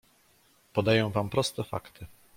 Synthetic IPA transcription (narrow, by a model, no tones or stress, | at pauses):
pɔd̪ajɔ̃w̃vampɾɔst̪ɛfa̰kt̪ʰɘ